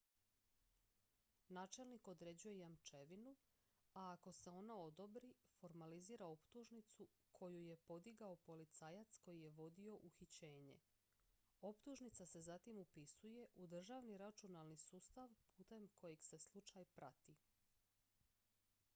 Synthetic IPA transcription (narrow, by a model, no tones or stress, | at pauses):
naːt͡ʃe̞lniko̞d̪ɾe̞ːd͡ʑuje̞jamt͡ʃe̞ʋinu | aːko̞se̞o̞nao̞d̪o̞bɾifo̞ɾmaliziːɾao̞pt̪uʒnit̪su | kʰo̞juje̞po̞d̪iɡaopo̞lit̪saːjat̪sko̞jije̞ʋo̞d̪io̞ʔuxit͡ɕe̞ːɲe̞̰ | o̞pt̪uʒnit̪sase̞zat̪imupisuje̞ʔud̪r̩ʒaʋniɾat͡ʃunalnisuːst̪aʋpuːt̪e̞mkʰo̞jeɡse̞slˠut͡ʃajpɾat̪i